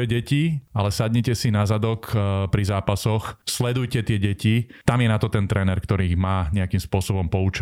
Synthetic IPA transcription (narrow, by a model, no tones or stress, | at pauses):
ɛɟɛcialɛsad̪ɲɛcɛsinazad̪ɔkpɾizaːpasɔxslɛd̪ujcɛt̪ɪɛɟɛcit̪amjɛnat̪ɔt̪ɛnt̪ɾɛːnɛɾkt̪ɔɾiɣmaːɲɛakimspʊɔsɔbɔmpɔut͡ʃ